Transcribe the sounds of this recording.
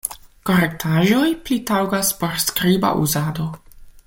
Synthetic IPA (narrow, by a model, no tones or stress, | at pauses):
koɾek̚tʰaʒo̞jplitawɡaspo̞ɾskɾiba̰ʔṵzado̞